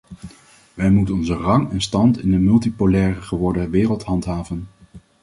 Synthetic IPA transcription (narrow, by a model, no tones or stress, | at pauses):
ʋɛjmutənɔnzərɑŋɛnstɑntɪndəmɵlˠtipolɛːrəχəʋɔɹdəʋɪːrəlˠtɦɑntɦaːvən